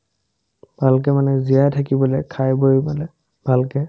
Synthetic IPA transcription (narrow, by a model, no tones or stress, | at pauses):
b̥ʱalk̬ɛmanɛzijajtʰakibɔlɛkʰajbojbalɛ | b̥ʱalkɛ